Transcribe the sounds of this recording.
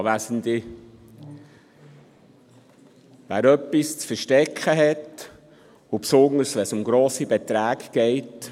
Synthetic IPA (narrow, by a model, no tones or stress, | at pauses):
ʋæsəndɪ | ʋæ̰ːɾœpːist͡sfəɾʃtɛkχəɦɛt | upsʊŋəɾsʋɛsʊmɡɾoːsibɛt̪ɾæːɡɡ̥ɛɪt